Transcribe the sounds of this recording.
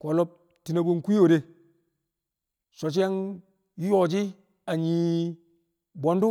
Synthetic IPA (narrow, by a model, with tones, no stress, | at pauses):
ko˨lo˦p̚ | ti˨na˨bo˦nku˦i˦o˨ɾe˦ | so˨t͡ʃ̬i˦a˦ŋ | jjo˨d͡ʒi˦ | a˨ɲi˨ | bo˨ndu˦